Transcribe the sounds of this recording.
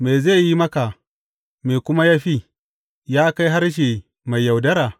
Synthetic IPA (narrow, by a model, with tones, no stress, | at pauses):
me˨ze˦˨ji˦mɐ˦ka˨ | me˨kʷʊ˦ma˦jaː˦ɸiː˦ | jaː˦ka˦jɦa˦ɾʃ̬e˨ | ma˨jːa˨wdɐ˦ɾaː˨